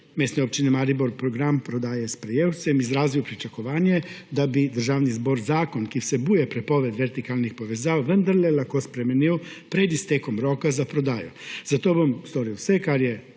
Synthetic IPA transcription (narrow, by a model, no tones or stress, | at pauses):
meːsniopt͡ʃinimaːɾiboɾpɾoɡɾampɾod̪aːjespɾejeːwt̪semizɾaːziopɾit͡ʃakoʋaːnjed̪abid̪ɾ̩ʒaːʋnizbo̞ɾzaːkonkisebuːjepɾepoʋed̪ʋeɾt̪ikaːlnixpoʋezawʋənd̪aɾlelakospɾemeniopɾed̪ist̪ekomɾoːkazapɾod̪aːjuz̥at̪obomst̪oɾiosɛkaɾje